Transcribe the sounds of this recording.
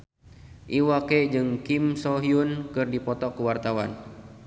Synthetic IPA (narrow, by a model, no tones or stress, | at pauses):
ʔiwaked͡ʒɨŋkimsɔɦiunkɨrdipɔt̪ɔkəwart̪awa̰n